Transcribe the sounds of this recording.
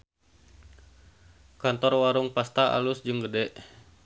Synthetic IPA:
kant̪ɔrwaɾuŋpast̪aʔa̰lusd͡ʒɨŋɡədɛʔ

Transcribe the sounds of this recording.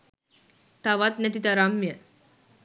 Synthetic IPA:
t̪aʋat̪nɛt̪it̪aɾamjə

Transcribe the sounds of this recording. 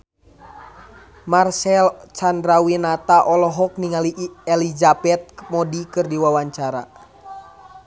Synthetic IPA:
marsɛlt͡ʃandɾawinat̪aʔɔlɔɦɔk̚niŋaliɛlizabɛt̪̚mɔdikɨrdiwawaɲt͡ʃaɾa̰

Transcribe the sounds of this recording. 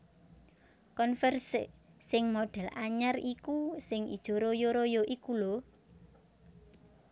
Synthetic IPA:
kɔnfɛrssɪŋmoɖ̥ɛ̤laɲarikusɪŋḭd̥ʒ̥o̤ɾojoɾojoʔikulɔ

